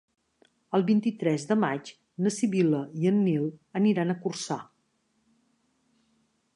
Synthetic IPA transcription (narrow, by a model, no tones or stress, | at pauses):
əlˠβint̪it̪ɾɛzðəmat͡ʃ | nəsiβiləiənːilˠəniɾanəkursa